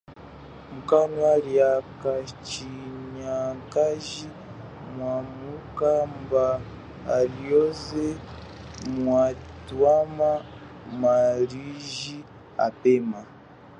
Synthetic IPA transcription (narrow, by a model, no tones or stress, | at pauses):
mukanwaliakat͡ʃiɲakaʒi | mwamukambaː | ljɔzɛ | mwatwama | maɾiʒi | a̰pɛma